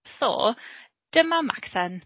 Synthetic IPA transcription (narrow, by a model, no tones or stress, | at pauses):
θo̰ː | d̥əmama̰kθɛn